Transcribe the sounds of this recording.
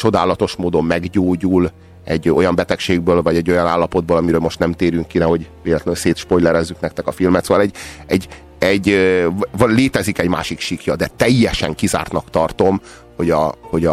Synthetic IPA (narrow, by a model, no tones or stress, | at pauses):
t͡ʃo̞d̪aːlɒt̪o̞ʃmoːd̪o̞mːɛɡɟoːɟul | ɛɟːo̞jɒmbɛt̪ɛkʃeːɡbøːlvɒɟɛɟːo̞jɒnaːlːɒpo̞d̪boːlɒmiɾøːlmo̞ʃt̪nɛmt̪eːɾyŋkːinɛɦo̞ɟveːlɛt̪lønseːt̪ʃpojlɛɾɛzːyknɛk̚t̪ɛkɒfilmɛt̪soːvɒlɛɟɛɟ | ɛɟ | vleːt̪ɛzikɛɟma̰ːʃikʃikjɒd̪ɛt̪ɛjːɛʃɛ̰ŋkiza̰ːrt̪nɒkt̪ɒrt̪o̞m | ho̞ɟɒho̞ɟɒ